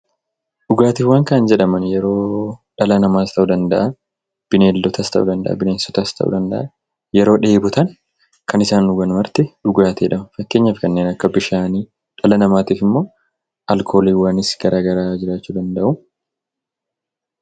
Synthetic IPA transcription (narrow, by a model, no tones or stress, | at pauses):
ᶑʊɡaːt̪iːfwaːŋkɐʔɐnd͡ʒɛᶑɐmɐnjɛɾo̞ːᶑɐlɐnɐmaːst̪ɐʔud̪ɐnd̪ɐʔɐ | b̥ɪneːlːɔt̪ɐst̪ɐ̰ʔṵd̪ɐnd̪ɐ̰ʔɐ̰bɪneːnsɔ̥t̪ɐst̪ʰɐ̰ʔṵd̪ɐnd̪ɐ̰ʔɐ | jɛɾo̞ːᶑe̞ːbʊt̪ɐn | kɐnɪsaːnːʊɡɐnmɐɾt̪ɪᶑʊɡaːt̪ʰeːᶑɐmɐfɐkːe̞ːɲːaːfkɐnːeːnɐkːɐbɪʃaːniː | ᶑɐlɐnɐmaːt̪iːfɪmːo̞ː | ʔɐlkʰo̞ːliːwaːnɪsɡɐɾaːɡɐɾaːd͡ʒɪɾaːt͡ʃːuːd̪ɐnd̪ɐʔʊ